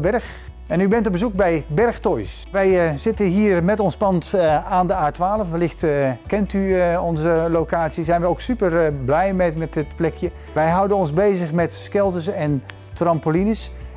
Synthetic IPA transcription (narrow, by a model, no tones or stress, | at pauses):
bɛɹχ | ɛnybɛntɔbəzuk̚bɛjbɛrχtojs | ʋɛjzɪtənɦiːrmɛtɔnspɑntaːndəaːtʋaːləfʋəlɪxtkɛntyɔnzəlowkaːtsizɛjnʋəowksypəɹblɛjmɛmɛtɪtplɛkjə | ʋɛjɦʌwdənɔnzbejzəχmɛtskɛlˠtəsɛn | trɑmpolinəs